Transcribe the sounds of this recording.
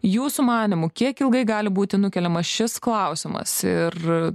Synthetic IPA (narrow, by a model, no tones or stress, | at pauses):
juːsumɑːnʲɪmʊkʲiɛkɪlˠɡɐɪɡɑːlʲɪbuːt̪ʲɪnʊkʲɛlʲɛmɐsʃʲɪsklˠɐʊsʲɪmɐ̰sɪr